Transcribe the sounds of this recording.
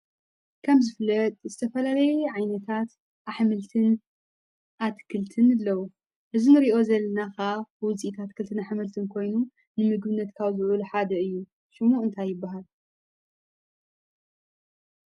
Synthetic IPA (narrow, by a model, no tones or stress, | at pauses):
kʰɐmzɨflːɐt̪ʼzɨt̪ʰɐfɐlalɐjɛʕajnɐt̪ʰat̪ | ʔaħmɨlt̪ʰɨn | ʔat̪kʰɨlt̪ʰɨnɨlːɐwu | ʔɨzinɨɾiʔo̞zɐlːɐnakawʊziʔit̪ʰat̪kʰɨlt̪ʰɨnaħmɨlt̪ʰɨnkʰo̞jnu | nɨmɨɡɨβɨnːɐt̪kʰawzɨʕuluħad̪ɐɨjːu | ʃɨmuɨnt̪ʰajːɪbːaɦal